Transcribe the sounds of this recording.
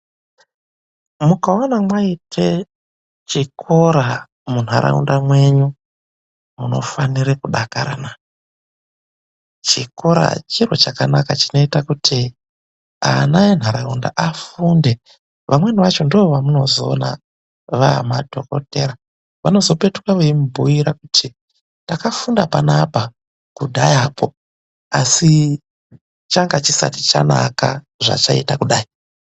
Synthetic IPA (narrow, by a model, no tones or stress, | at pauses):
mukaonamwaitʰe̞ | t͡ʃikʰo̞ɾa | mun̤aɾa̰ṵndamwe̞ɲu | muno̞̰faniɾekuɗakaɾa̰na | t͡ʃiko̞ɾa̰t͡ʃir̤o̞̰t͡ʃakanakat͡ʃino̞itakutʰi | a̰najen̤aɾaunda̰ʔafunde̞ | ʋʔamwe̞niʋat͡ʃo̞ndoʋoʋamuno̞zo̞ːna̰ | ʋamadʱo̞̰ko̰te̞ɾa | ʋano̞zo̞pe̞tukwaʋeimbʱuiɾakutʰi | takafundapanapa | kuɗajapʰo̞ | asi | t͡ʃaŋɡat͡ʃisa̰ti̥t͡ʃa̰na̰ka̰ | ʐa̰t͡ʃaḭtakuɗaːi